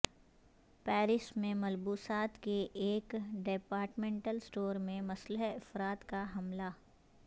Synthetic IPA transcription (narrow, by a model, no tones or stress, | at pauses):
pɛːɾɪʃmẽmɐlbuːsaːt̪keʔːkɖeːpaːɾʈmẽːɳʈəlsʈoːɾmẽmɐsləɦɪfɾaːt̪kaɦɐmlaː